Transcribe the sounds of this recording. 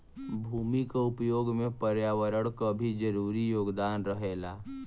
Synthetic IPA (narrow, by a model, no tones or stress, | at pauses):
bʱuːmikaʊpjoːɡmẽpəɾjaːwəɾəɽkabʱid͡ʒəɾuːɾijoːɡd̪aːnɾəɦeːlaː